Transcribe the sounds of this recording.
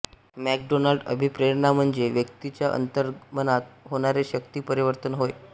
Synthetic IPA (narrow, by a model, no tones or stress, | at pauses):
mæk̚ɖonalɖə̰bʱipɾeɾnam̤əɳd͡zeʋjəkt̪it͡ɕjaʔə̰nt̪əɾmənat̪ɦoɽ̃aɾeɕək̚t̪iːpəɾiʋəɾt̪ənɦoj